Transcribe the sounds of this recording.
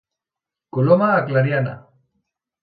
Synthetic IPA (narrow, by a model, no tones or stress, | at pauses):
kulomaːklanjana̰